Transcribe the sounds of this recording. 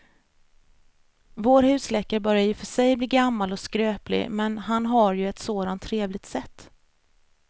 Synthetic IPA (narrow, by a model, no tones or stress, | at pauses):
voːɾhʉ̟ːslɛkːəɾbœɾjajɵfœʂɛjbliːɡamːalɔskɾøːplɪ̰mɛnɦanɦaɾjɵɛt̪soːd̪ant̪ʰːɾeːvlɪt̪sɛt̪ː